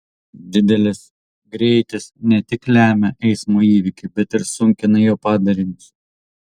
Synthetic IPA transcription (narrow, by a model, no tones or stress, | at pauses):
d̪ʲɪd̪ʲɛlʲɪs | ɡɾʲɛɪt̪ʲɪsnʲɛt̪ʲɪklʲæːmʲɛʔɛɪsmoːiːʋʲɪkʲɪbʲɛt̪ɪɾsʊŋʲkʲɪnɐjoːpɑːd̪ɐɾʲɪnʲɪs